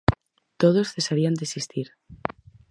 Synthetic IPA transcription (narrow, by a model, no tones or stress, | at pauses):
t̪oð̞osθe̞saɾiand̪esist̪iɾ